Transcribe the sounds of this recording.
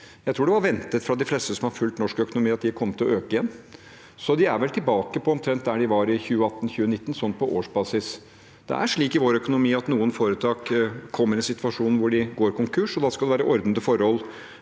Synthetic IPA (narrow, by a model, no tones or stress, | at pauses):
jæɪt̪ɾuːɖɛʋɑɾʋɛnt̪ət̪fɾɑd̪ɪflɛst̪əsɔmhɑɾfʉlt̪nɔʂkœkʊnʊmiːɑt̪d̪ɪkʰɔmːət̪ʰɪlɔøːkəɪjɛnː | sɔd̪ɪæɾʋɛlt̪ʰɪlbɑːkəpʰɔɔmt̪ʰɾɛnt̪̚d̪æɖɪʋɑɾɪçʉːəɑt̪ːn̩çʉːənɪt̪ːn̩sɔnːt̪̚pʰɔʔo̰ːʂbɑːsɪs | d̪̥ɛ̰ʔæ̰ʂɭiːkɪʋoːɾœkʊnʊmiːɑt̪nuːənfoːɾət̪ʰɑːkkʰːɔmːəɾɪnsɪt̪ʋɑʂuːnn̩ʋʊɖɪɡoːɾkʊŋkʰʉʂɔd̪ɑːskɑld̪ɛʋæːɾəʔɔɾd̪nd̪əfɔɾhɔlː